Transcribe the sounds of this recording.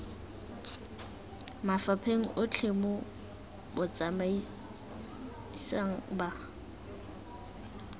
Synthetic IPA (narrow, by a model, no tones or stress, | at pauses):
mafapʰeŋ̩ʔʊt͡ɬʰemʊ | bʊt͡sʼamai | saŋ̩ba